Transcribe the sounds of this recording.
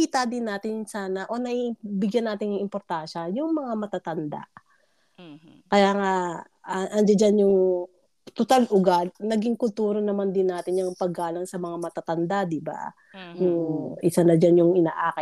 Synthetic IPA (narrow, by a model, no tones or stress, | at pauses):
kiːt̪ad̪ɪnːaːt̪ɪnsaːnɐʔo̞nɐʔibɪɡjanːaːt̪ɪnɐŋɪmpoɾt̪anʃɐjʊŋmɐŋamɐt̪at̪ɐnd̪a̰ʔ | kɐjaːŋa | ɐʔɐnd͡ʒad͡ʒanjʊŋ | t̪ʊt̪alʔʊɡad̪̚nɐɡiŋkʊlt̪uːɾonɐmand̪ɪnːaːt̪ɪnjɐŋpɐɡaːlɐŋsɐmɐŋamɐt̪at̪ɐnd̪ad̪ɪba̰ | jʊŋʔɪsanɐd͡ʒanjʊŋʔɪnaːʔaːkɪ